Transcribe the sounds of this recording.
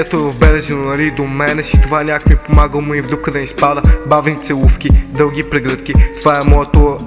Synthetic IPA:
ɛt̪oɛvɐvbɛlɛzɛnonɐlid̪omɛnɛsit̪ovanʲakmipomaɡəlˠmuivd̪ɾukəd̪ɐnʲispad̪əbavnit̪sɛlˠufkʲid̪ɤlˠɡʲipɾɛɡɾɤt̪k̟ʲit̪ovaɛmɔɛt̪o

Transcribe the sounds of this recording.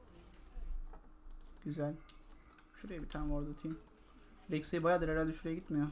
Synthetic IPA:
ɟ̥yzælʲ | ʃuɾejabit̪ʰanoɾd̪ut̪ʰim | ɾecsejibajaːd̪ɯɾeɾælʲd̪ʲɛʃuɾejaɟit̪mijo

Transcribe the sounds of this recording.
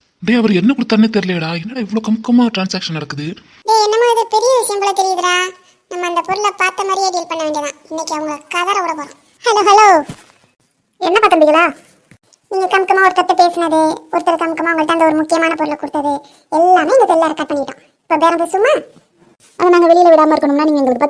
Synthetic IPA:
ɳɖeɐʋɐɾɛnːɐkʊɽɯt̪ːɐnːet̪ɛɾɪleːɽaːɛnːɐːɽɐɪʋːɐɭoːkɐmɪkːɐmaːʈɾaːnsaːkʂɐnɐɽɐkːɯðɯ | beːɛnːɐmaːɪðɯpɛɾɪjɐʋɪsjɐmbɪlɐt̪ɛɾɪjɪðɯɾãː | nɐmːɐɐnd̪ɐpɔɾɯɭɐpaːʈːɐmɐɾɪjɐɡiːlpɐɳːɐʋeːɳɖiɐðãːɪnːɛkʲːiɐʋɐŋɡɐkɐðɐɾɐʊɽɐpoːɾõ̰ | hɐloːɦɐloː | ɛnːɐpaːʈ̪ːɯmɽɪŋɐɭaː | niːŋɡɐkɐmɪkːɐmaːɔɾɯtk̪ɐt̪ːɛpeːsɯnɐðɯɔɾɯt̪ːɐɾɐkɐmɪkːɐmaːʋɐŋɡɐɭɯt̪ːaːnd̪ɐɔɾɯmʊkːɪjɐmaːnɐpɔɾɯɭɐkʊɽɯt̪ːɐðɯ | ɛlːaːmeːɪnd̪ɐt̪ɛlːaːɾɐkːɐːpːɐɳːɪkːɪʈːãː | ɪ̥pːoːɡeːɾɐmp̬eːsɯʋɐmaː | ɐ̰ɐɡɐnaːŋɡɐʋɛɭɪjɪlɐʋɪɽaːmɐɪɾɯkːɐɳɯmnːaːniːŋɡɐɪnɡɐɾkɯpaː

